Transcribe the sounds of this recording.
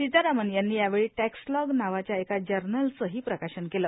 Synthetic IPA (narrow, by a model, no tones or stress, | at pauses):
id͡z̪aɾamənjanːiːjaʋeɭiːʈɛkslɔɡnaʋat͡ɕjaekad͡ʑəɾnəlt͡səɦiːpɾəkaɕənkelə